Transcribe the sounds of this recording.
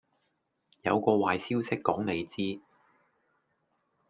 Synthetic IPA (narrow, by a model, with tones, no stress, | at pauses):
jɐ̰˨˧wkɔː˧waː˨jsiː˥wsɪ˥kːɔː˨˥ŋne˨˧jt͡siː˥